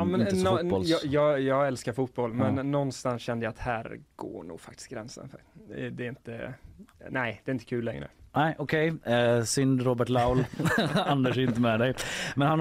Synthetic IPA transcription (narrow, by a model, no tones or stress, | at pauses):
mɛnːɔljɑjɑːɡjɑːɡɛlskaɾfut̪̚bɔlːmɛnːɔnːst̪ansɕɛnd̪əjaːat̪hæːɾɡ̥o̰ːɳṵːɡ̥fa̰k̚t̪ɪ̥sɡɾɛnsə̰nfd̪ɛːɾɪnt̪ə̰ | næɪd̪̥ɛɾɪnt̪ə̥kʰʉ̟ːlːɛŋɾə̰næɪʔɔkʰɛjsʏnd̪ɾoːbəʈlaʊland̪əʂ̬ɪnt̪əmɛd̪ɛjmɛnhan